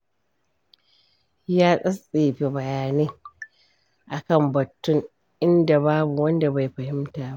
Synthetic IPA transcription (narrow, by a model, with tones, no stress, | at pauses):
jaː˦sʼɐ˦sʼeː˨ɸe˨bɐ˨jaː˨neː˦ | ʔa˨kɐ˦˨mbɐ˨tːʊ˦ŋ | ʔɪ˦nda˨baː˦bu˨wɐ˦nda˨ba˨jɸɐ˨hɪ˦mtaː˨ba˦ʔ